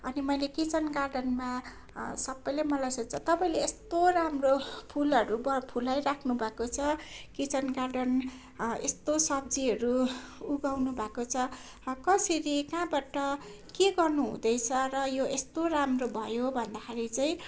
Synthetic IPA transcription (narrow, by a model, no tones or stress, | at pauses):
ʌnimʌjlekit͡sʌnɡarɖʌnma | sʌbːʌjlʌmʌlajsʌt͡sʰʌt̪ʌpaĩleest̪oramropʰulʌɾubʌpʰulajrakʰnubʱakot͡sʰʌkit͡sʌnɡarɖʌn | est̪osʌb̚d͡ziɦʌɾuuɡawnubʱakot͡sʰʌ | kʌseɾikãbaʈʌ | keɡʌrnuɦṵ̃d̪ʌjt͡sʰʌrʌjoest̪oramrobʱʌjobʱʌnd̪akʰaɾit͡saĩ